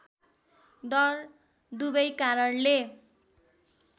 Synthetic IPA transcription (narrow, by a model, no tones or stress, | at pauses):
ɖʌr | d̪ubʌjkaɾʌnle